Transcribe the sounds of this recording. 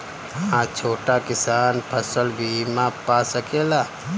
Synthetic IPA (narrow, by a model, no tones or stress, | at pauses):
ãt͡ʃʰoːʈakɪsaːnpʰəsəlbʱimãpasəkela